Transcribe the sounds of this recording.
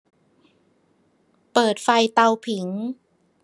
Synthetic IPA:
pɤː˨˩t̪̚fa˧jt̪a˧wpʰi˩˦ŋ

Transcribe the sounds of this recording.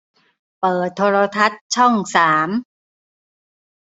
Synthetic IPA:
pɤː˨˩t̪ʰːoː˧ɾoː˧t̪ʰa˦˥t̪̚t͡ɕʰɔ˥˩ŋsaː˩˦m

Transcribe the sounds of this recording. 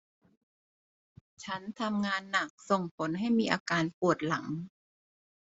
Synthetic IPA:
t͡ɕʰa˦˥nt̪ʰa˧mŋaː˧nːa˨˩k̚so˨˩ŋpʰo˩˦nɦa˥˩jmiː˧ʔaː˧kaː˧npu˨˩ət̪̚la˩˦ŋ

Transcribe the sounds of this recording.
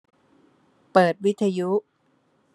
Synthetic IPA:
pɤː˨˩t̪̚wi˦˥t̪ʰːa˧ju˦˥

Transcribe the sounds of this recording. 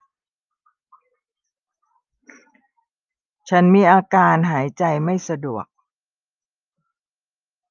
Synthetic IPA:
t͡ɕʰa˦˥nmiː˧ʔaː˧kaː˧nɦaː˩˦jt͡ɕa˧jma˥˩jsa˧du˨˩ək̚

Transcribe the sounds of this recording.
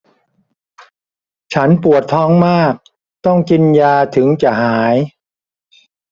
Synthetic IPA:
t͡ɕʰa˦˥npu˨˩ət̪ʰːɔː˦˥ŋmaː˥˩k̚ | t̪ɔ˥˩ŋki˧njaː˧t̪ʰɯ˩˦ŋt͡ɕa˨˩ʔhaː˩˦j

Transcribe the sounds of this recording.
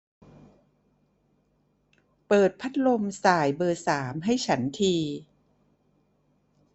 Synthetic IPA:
pɤː˨˩t̪̚pʰa˦˥t̪̚lo˧msaː˨˩jbɤː˧saː˩˦mɦa˥˩jt͡ɕʰa˦˥nt̪ʰiː˧

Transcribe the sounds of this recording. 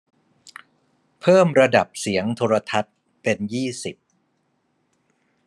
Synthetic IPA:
pʰɤː˥˩mɾa˧da˨˩p̚si˩˦əŋt̪ʰoː˧ɾa˧t̪ʰa˦˥t̪̚ | pe˧njiː˥˩si˨˩p̚

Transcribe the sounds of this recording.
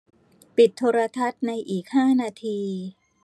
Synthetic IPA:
pi˨˩t̪ʰːoː˧ɾa˧t̪ʰa˦˥t̪̚na˧jʔiː˨˩k̚haː˥˩naː˧t̪ʰiː˧

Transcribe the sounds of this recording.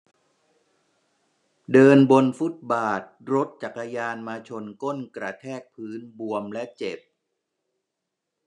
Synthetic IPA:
dɤː˧nbo˧nfu˦˥t̪̚baː˨˩t̪̚ɾo˦˥t̪̚t͡ɕa˨˩kːa˧jaː˧nmaː˧t͡ɕʰo˧nko˥˩nkɾa˧t̪ʰɛː˥˩k̚pʰɯː˦˥nbu˧əmlɛ˦˥ʔt͡ɕe˨˩p̚

